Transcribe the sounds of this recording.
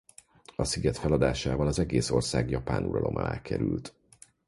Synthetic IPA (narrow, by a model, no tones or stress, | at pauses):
ɒsiɡɛt̪fɛlɒd̪aːʃaːvɒlɒzɛɡeːso̞rsaːɡjɒpa̰ːnʔuɾɒ̰lo̞mʔɒa̰ːkɛɾylt̪